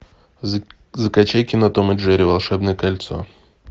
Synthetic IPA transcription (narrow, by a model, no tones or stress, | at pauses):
zəkɐt͡ɕajkʲɪnɐt̪omɐdʐɛɾʲɪvɐlˠʂɛbnəjəkɐlʲt̪so̰